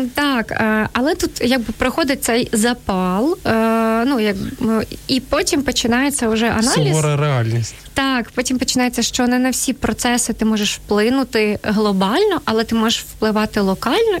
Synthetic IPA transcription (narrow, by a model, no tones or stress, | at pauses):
t̪ɑkːɐlˠɛt̪ut̪jɐɡ̚bɪpɾɪxɔd̪ɪt̚ʲt̪sɛjzɐpɑlˠ | nujɐk | ipɔtʲimpɔt͡ʃɪnɑjet͡sʲːɐʊʒɛʔɐnɑizɔɾɐɾeɑlʲnʲisʲtʲ | t̪ɑkpɔtʲimpɔt͡ʃɪnɑjet͡sʲːɐʃt͡ʃɔnɛnɐwsʲipɾɔt̪sɛsɪt̪ɪmɔʒeʃwplˠɪnʊt̪ɪɦlˠɔbɑlʲnɔʔɐlˠɛt̪ɪmɔʒeʃwplˠɪʋɑt̪ɪlˠɔkɑlʲnɔ